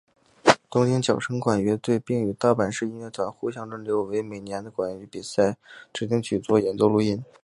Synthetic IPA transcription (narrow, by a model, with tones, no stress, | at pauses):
t̪ʊ˥ŋt͡ɕi˥ŋt͡ɕjɑ˨˩ʊʂʰɤ˥ŋkwa˨˩nɥɛ˧˥t̪we˥˧ɪpi˥˩ŋy˨˩t̪ɑ˥˩ʊpa˨˩nʂɻ̩˥˧i˥nɥɛ˥˩t̪ʰwa˨˩˦nxu˥˩ɕjɑ˥ŋʈ͡ʂɤ˥nljo˧˥ʊwe˧˥ɪme˨˩ɪnjɛ˧˥nd̪ə˧kwa˨˩ny˧˥pi˨˩sa˥˩ɪʈ͡ʂɻ̩˨˩t̪̬i˥˧ŋt͡ɕʰy˨˩t͡swɔ˥jɛ˧˥nt͡so˥ʊlu˥˩i˥˩n